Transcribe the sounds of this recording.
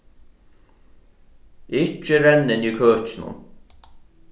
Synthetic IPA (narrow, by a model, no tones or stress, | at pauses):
ɪt͡ʃːɪɾɛnːɪniːkʰøːt͡ʃɪnʊ̰n